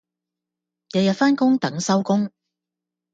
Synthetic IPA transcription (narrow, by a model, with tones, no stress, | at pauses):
jɐ˨˧wjɐ˨t̚faː˥nkʊ˥ŋt̪ɐ˨˥ŋsɐ˥wkʊ˥ŋ